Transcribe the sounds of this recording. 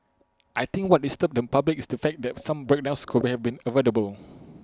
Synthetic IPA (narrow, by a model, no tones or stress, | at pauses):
ʔajt̪ĩŋkwɔt̚distəp̚dɛ̃npablikisdəfɛk̚dɛtsãmbɹɛk̚dãw̃nskʰuhɛvbĩnəvɛləbəl